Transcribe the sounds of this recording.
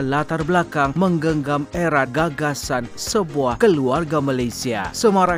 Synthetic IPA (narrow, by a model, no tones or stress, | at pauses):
lat̪arblakaŋməŋɡəŋɡamɛɾat̪̚ɡaɡasansəbuahkəluarɡamalajsia̰səmaɾa